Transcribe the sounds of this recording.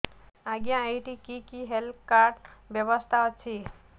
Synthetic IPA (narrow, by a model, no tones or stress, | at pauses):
aɡjãːjʈikikiɦelkaɾɖbjəbəst̪ʰaɔt͡ʃʰi